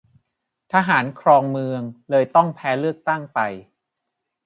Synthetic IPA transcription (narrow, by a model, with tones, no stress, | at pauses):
t̪ʰaː˧ɦaː˩˦nkʰɾɔː˧ŋmɯ˧əŋlɤː˧jt̪ɔ˥˩ŋpʰɛː˦˥lɯ˥˩ək̚t̪a˥˩ŋpa˧j